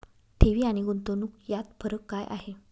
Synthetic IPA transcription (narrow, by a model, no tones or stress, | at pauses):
t̪ʰeʋiːaɽ̃iɡunt̪onuːkjat̪fʰəɾəkːajʔa̰ɦe